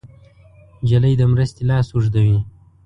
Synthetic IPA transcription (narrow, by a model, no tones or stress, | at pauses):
d͡ʒaləjd̪əmɾəst̪elɑːsuʐd̪awi